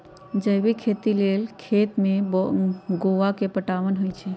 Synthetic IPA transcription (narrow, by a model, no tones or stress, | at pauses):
d͡ʒəjbikʰet̪ilelkʰet̪mebɡoʋakepəʈaʋənɦojt͡ʃʰɛ